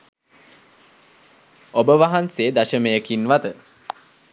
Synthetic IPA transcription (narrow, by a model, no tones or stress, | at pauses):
obəʋaɦanseːd̪aʃəməjəkinʋat̪ə